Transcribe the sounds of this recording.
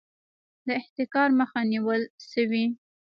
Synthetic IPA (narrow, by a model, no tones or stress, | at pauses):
d̪əɪht̪ɪkɑɾməxaniwəlʃəwi